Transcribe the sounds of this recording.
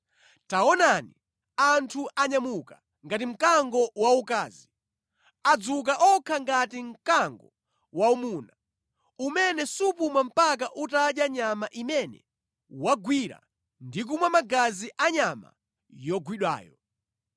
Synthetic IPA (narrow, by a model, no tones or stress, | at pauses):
taɔnani | antʰuʔaɲamuka | ŋɡatim̩kaŋɡɔwaukaːzi | ad͡zuk̬aʔɔkʰaŋɡatim̩kaŋɡɔ̰ | waumuːna | umɛnɛsupumam̩pak̬aʔutaɗjaɲamaʔimɛnɛ̰ | waɡwiɾa̰ | ndik̬umwamaɡaziʔaɲama̰ | jɔɡwiɗwa̰ːjɔ